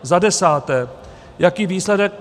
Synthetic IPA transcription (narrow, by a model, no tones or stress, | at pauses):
zadɛsaːt̪ɛː | jakiːʋiːslɛdɛk̚